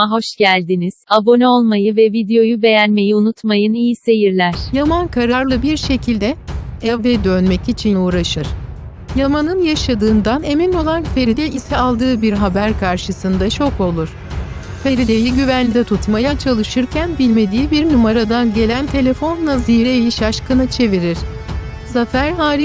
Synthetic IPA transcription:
aɦo̞ʃɟ̥ælʲd̪iniz̥abo̞nɛo̞lˠmajɯvɛvid̪ejo̞jube̞jænme̞jiunut̪majɯnijise̞jiɾlʲæɾ̥jamankʰaɾaaɾlˠɯbiɾʃe̞cʰilʲd̪ɛɛvɛd̪ønmɛcit͡ʃʰinuːɾaʃɯɾ̥ | jamanɯnjaʃad̪ɯːnd̪ane̞mino̞lˠanfe̞ɾid̪ʲɛʔisɛalˠd̪ɯːbiɾɦabæɾkʰaɾʃɯsɯnd̪at͡ʃʰo̞ko̞lˠuɾ̥ | fʰe̞ɾid̪ʲejiɟyvænd̪ɛt̪ʰut̪majat͡ʃʰalˠɯʃɯɾcʰænbilʲme̞d̪iːbiɾnumaɾad̪anɟe̞lʲænt̪ʰe̞lʲe̞fo̞nːˠaziɾejiʃaʃkɯnɯt͡ʃʰe̞viɾiɾ̥ | zafæɾɦaːɾi

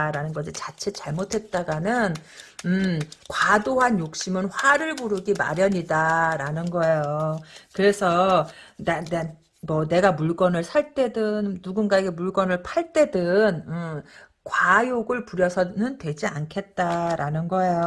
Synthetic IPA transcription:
ɾanɯnɡʌɕʰit͡ɕat͡ɕʰet͡ɕaɭmotʰe̞t̚t͈aɡanɯnɯmkwadoɦanjok̚ɕ͈imɯnɸwaɾɯɭmuɾɯɡima̰ɾjʌɲidaɾanɯnɡʌe̞jokɯɾe̞sʰʌnane | mʌne̞ɡamuɭɡ͈ʌnɯɭsʰaɭt͈e̞dɯnːuɡunɡaeɡe̞muɭɡ͈ʌnɯɭpʰaɭt͈e̞dɯnɯ | kwajoɡɯɭpuɾjʌsʰʌnɯntwe̞d͡ʑiankʰe̞t̚t͈aɾanɯnɡʌe̞jo

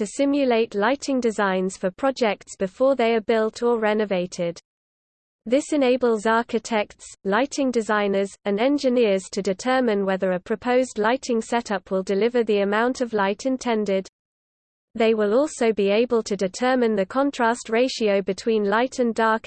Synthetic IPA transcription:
tɨsɪ̃mjəleɪʔlaɪtʰɪ̃ŋdɪzãɪ̃nz̥fəpʰɹ̥ɒd͡ʒɛk̚tsb̥ɨfɔːðeɪəbɪlˠtʰəɹɛnəveɪtʰɪd̪̥ | ðɪsɨ̃neɪbəlˠzɑˑkɪtʰɛk̚tslaɪtʰɪ̃ŋdɪzãɪ̃nəzə̃nɛ̃nd͡ʒɪnɪəz̥tʰɨdɪtʰɜːmɪ̃nwɛðəɹəpʰɹ̥əpʰəʊzdˡlaɪtʰɪ̃ŋsɛtʌpʰwɪlˠdɪlɪvəðiəmãʊ̃ntʰəvlaɪtʰɪ̃ntʰɛ̃ndɪd̪̚ | ðeɪwɪlɔˑlˠsoʊbieɪbəlˠtʰɨdɪtʰɜːmɪ̃nðɨkʰɒ̃ntʰɹ̥æstɹeɪʃiəʊbɨtʰw̥ĩnlaɪtʰə̃ndɑˑɹk

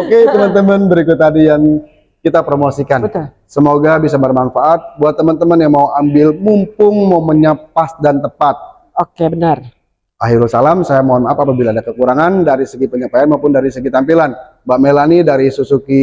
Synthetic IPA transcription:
oket̪əmənt̪əmənbəɾikʊt̪ːadijaŋ | kit̪apɾomosikanbət̪ʊ | səmoɡabis̬abərmanfaʔat̪̚buat̪ːəmənt̪əmənjaŋmauʔambɪlmumpʊŋmoməɲapasdant̪əpat̪̚ | okebənər | aɦiɾusalamsajamoanapaːpabilaːdakəkuɾaŋandaɾisəɡipəɲapajanmaupʊndaɾisəɡit̪ampilan | baʔmelanidaɾisusuki

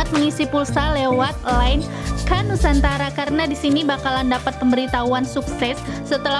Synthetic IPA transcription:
at̪̚mŋisipulsalewat̪̚laɪn | kanusant̪aɾakaɾənadisinibakalandapat̪̚pəmbəɾit̪auansuksɛsː | ət̪əla

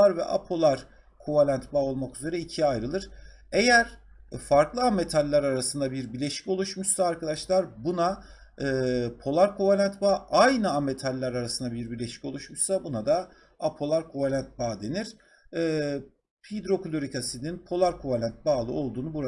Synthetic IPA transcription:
aɾvɛ̰ʔa̰pʰo̞lˠaɾ | kʰuvalʲænt̪baːo̞lˠmakyze̞ɾɛicʰiajɾɯlˠɯɾ̥ | e̞jæɾ̥ | faɾklˠɯame̞t̪ʰalʲːaɾaɾasɯnd̪abiɾbiɾlʲe̞ʃi̥co̞lˠuʃmuʃsaːɾkad̪aʃlˠaɾbunaɯːpʰo̞lˠaɾkʰuvalʲænt̪baːʔajnɯame̞t̪ʰalʲːaɾaɾasɯnd̪abiɾbiɾlʲe̞ʃi̥co̞lˠuʃmuʃsabunad̪a | apʰo̞lˠaɾkʰuvalʲænt̪̚baːd̪e̞niɾ̥ː | pʰid̪ɾo̞kulʲoɾikʰasininpʰo̞lˠaɾkʰuvalʲænt̪̚baːlˠɯo̞lˠd̪uːnubuɾa

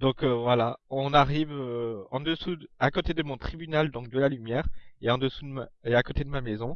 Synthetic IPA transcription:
d̪ɔ̃køvwalaɔ̃naʁivøɑ̃d̪əsuakot̪ed̪əmɔ̃t̪χibynald̪ɔ̃k̚d̪əlalymjɛːʁeɑ̃d̪əsud̪əmeakot̪ed̪əmamezɔ̃

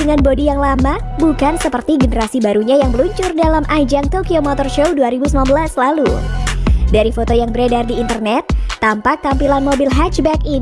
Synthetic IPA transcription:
əŋanbodijaŋlama | bukansəpərt̪iɡənəɾasibaɾuɲajaŋbəluɲt͡ʃʊrdalamʔad͡ʒaŋt̪okiomɔt̪ɔrʃowduaɾibusəmanbəlasəlalṵ | daɾifot̪ojaŋbəɾedardiːnt̪ərnɛt̪ːampak̚t̪ampilanmobilɦat͡ʃbɛki

